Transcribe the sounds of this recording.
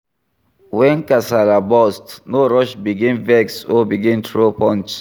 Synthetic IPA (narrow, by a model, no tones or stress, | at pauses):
wɛ̃nkasalabɔstnoɹɔʃbiɡĩnvɛksɔbiɡĩntɹopɔ̃nt͡ʃ